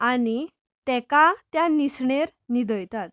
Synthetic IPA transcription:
ani | t̪ɛkat̪janisɳeɾnid̪əjt̪at̪

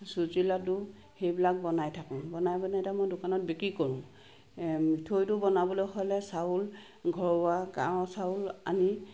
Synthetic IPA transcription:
suzilatʊ | xejbilak̚bɔnajtʰakɔ̃bɔnajbɔnatamojdʊkanɔt̚bekɹikɔɹʊ̃ | mitʰojtʊbɔnabɔlojhɔjlɛsaul | ɡʱɔɹʊaka̰ɹɔ̃saula̰ni

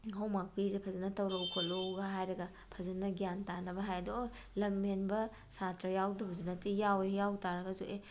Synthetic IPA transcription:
howmak̚pizepʰɐzɐnɐtɐwɾɐwkʰoloɡaɦajɾɐɡɐ | pʰɐzɐnɐɡjantanɐbɐɦajɐdɔlɐmenbɐ | satɾɐjawdɐbɐzunɐtijawejawtaɾɐɡɐzuʔe

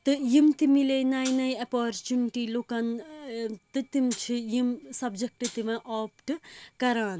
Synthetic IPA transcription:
t̪ɨjimt̪imileːnɐjnɐjɐpaːɾt͡ʃuniʈiːlokɐn | t̪ɨt̪imt͡ʃʰijimsɐbd͡ʒɐk̚ʈɨt̪imɐʔoːpʈɨkɐɾaːn

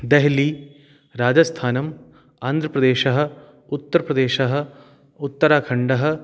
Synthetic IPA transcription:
d̪eɦli | ɾaːd͡ʒɐst̪ʰaːnɐm | aːnd̪ʱɾɐpɾɐd̪eːʃɐɦɐ̆ | ut̪ːɐɾɐpɾɐd̪eːʃɐɦɐ̆ | ut̪ːɐɾaːkʰɐɳɖɐɦɐ̆

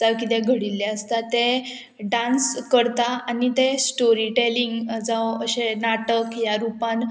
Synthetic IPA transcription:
akit̪ɛɡʱəɽilːɛəst̪at̪e | ɖãnskəɾt̪aanit̪esʈoɾiʈeliŋɡd͡zaəɕenaʈəkjaɾupan

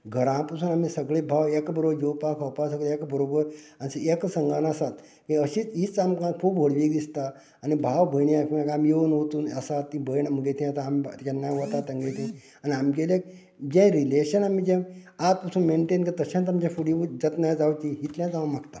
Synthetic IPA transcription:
ɡʱəɾãpasuːnam̤isəɡɭebʱawekbəɾobəɾjewpakʰɔwpasəɡɭeekbəɾobəɾ | anisəeksəŋɡanasat̪ | kĩəɕiːt͡sɦit͡samkãkʰuːbɦoɽʋik̚d̪ist̪aː | nibʱaʋbʱəjɳiakʰiakamjeunot̪uːnəsat̪ːĩbʱəjɳaməɡet̪ʰĩat̪aamt̪kanːajʋɔt̪at̪anɡet̪ʰĩ | aniamɡelek̚ | d͡ʑẽɾileɕənam̤id͡ʑɛ̃at̪̚pasuːnmeɳʈẽnkit̪əɕãt̪amd͡ʑãfuɽid͡zət̪najd͡zawt͡ɕiɦit̪lãt͡saamaɡt̪a

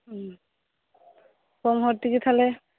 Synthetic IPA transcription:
kɔmɦɔtːikitʰalɛ

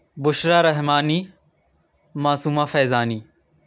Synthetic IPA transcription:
bʊʃɾaːɾɐɦmaːniː | maːsuːmaːfeːzaːniː

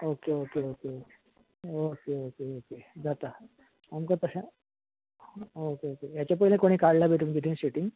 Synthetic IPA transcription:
okeokeokeoke | okeokeoked͡zat̪a | amkat̪əɕã | okeokejat͡ɕjapəilẽkoɽ̃ikaɽlabʱet̪umd͡ʑit̪ʰĩnɕeʈiŋɡ

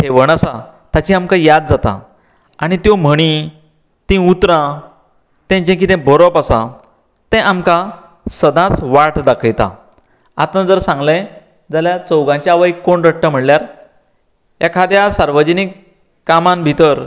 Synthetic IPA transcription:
ʈʰeʋəɳ̃asat̪at͡ɕĩamkajad̪̚d͡zat̪a̰ | aɽ̃it̪jɔm̤əɽ̃i | t̪ĩut̪ɾã | t̪ɛ̃d͡ʑẽk̬it̪ɛ̃bʱɔɾɔpasa̰ | t̪ɛ̃ʔamka | səd̪ãt͡sʋaʈd̪akʰəjt̪a̰ | at̪əd͡zəɾsãŋɡlẽ | d͡zaljat͡səwɡãɲt͡ɕjaʋəjkːoɳɾəʈːəm̤əɽljaɾ | jakʰad̪jasaɾʋəd͡ʑənikː | amãmbʱit̪əɾ

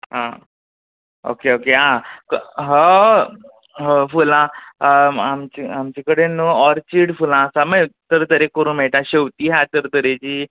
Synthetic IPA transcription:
ɦã | o̰keokeɦãkɦə | ɦəfulã | amt͡ɕiamt͡ɕikəɽenuɔɾt͡ɕiɽfulãsaməjt̪əɾt̪əɾekəɾũːnmeɭʈ̪ãɕewt̪iːɦat̪əɾt̪əɾet͡ɕiː

